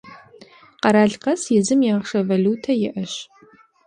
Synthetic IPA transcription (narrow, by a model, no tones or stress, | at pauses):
qɐɾaːɮqɐsjɪzɨmjaːʁʂɐvɐluːtʰɐjɪʔɐɕ